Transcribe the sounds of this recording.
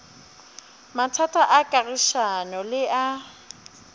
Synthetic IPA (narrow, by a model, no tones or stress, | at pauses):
matʰatʼaʔakʼariʃanɔlɪʔa